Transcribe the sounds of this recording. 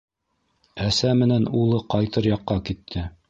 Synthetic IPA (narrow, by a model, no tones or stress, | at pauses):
æsæmɘ̆nænulˠɤqɑjt̪ɤɾjɑqːɑkit̪ʰːɘ